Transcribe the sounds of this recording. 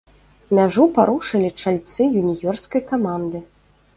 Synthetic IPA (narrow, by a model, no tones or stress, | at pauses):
mʲaʐupaɾuʂɨlʲit͡ʂalʲt̪sɨjunʲiɣʲɔrskɐjkamand̪ɨ